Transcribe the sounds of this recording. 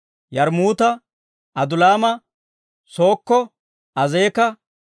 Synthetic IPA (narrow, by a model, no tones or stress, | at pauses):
jɐɾmuːt̪ɐ | ɐd̪ʊlaːmɐ | so̞ːkːɔ | ɐzeːkɐ